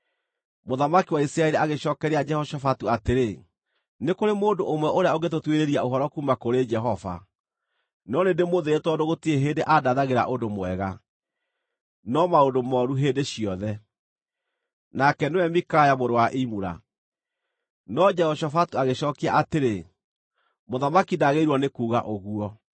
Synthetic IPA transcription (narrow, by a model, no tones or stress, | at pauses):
moðamakiwaisɾaɛɾeaɣeɕɔːkɛɾead͡ʒɛhɔʃɔfatuateɾe | nekoɾemoːndoomwɛʔoɾeaoɣet̬otweɾeɾiaoɦɔɾɔkumakoɾed͡ʒɛɦɔva̰ | nɔnendemoðeetwɔdoɣotieɦeːndeʔadaðaɣeɾa̰ʔodomwɛɣa | nɔmaodomɔːɾuɦeːndeɕiɔðɛ | nakɛnewɛmikajamoɾowaʔimuɾa̰ | nɔd͡ʒɛhɔɕɔfatuaɣeɕɔkiaʔateɾe | moðamakidaɣeiɾwɔnekuːɣa̰ʔoɣuɔ